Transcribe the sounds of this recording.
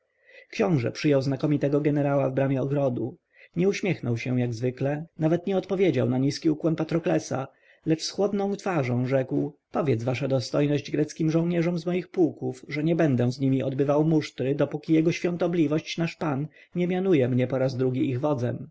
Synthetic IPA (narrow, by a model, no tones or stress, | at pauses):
kɕɔ̃w̃ʐɛ̰pʂɘjɔwznakɔmʲit̪ɛɡɔɡɛnɛɾawavbɾamʲjɛɔɡɾɔd̪u | ɲɛuɕmʲjɛxnɔwɕɛ̃jaɡzvɘklɛnavɛt̪ɲɛɔt̪pɔvʲjed͡ʑa̰wnaɲiskʲiukwɛmpat̪ɾɔklɛsa̰ | lɛt͡ʂsxwɔd̪nɔ̃w̃t̪faʐɔ̃w̃ʐɛkwpɔvʲjɛd̪zvaʂad̪ɔst̪ɔjnɔʑd͡ʑɡɾɛt̪skʲimʐɔ̃w̃ɲɛʐɔmzmɔjixpuwkufʐɛɲɛbɛnd̪ɛ̃zɲimʲiʔɔd̪bɘvawmuʂt̪ɾɘd̪ɔpukʲijɛɡɔɕfʲjɔ̃nt̪ɔblʲivɔɕt͡ɕnaʂpan | ɲɛmʲjanujɛmɲɛpɔɾazd̪ɾuɡʲiiɣvɔd̪zɛ̰m